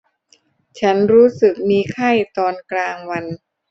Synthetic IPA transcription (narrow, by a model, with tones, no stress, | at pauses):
t͡ɕʰa˦˥nɾuː˦˥sɯ˨˩k̚miː˧kʰa˥˩jt̪ɔː˧nklaː˧ŋwa˧n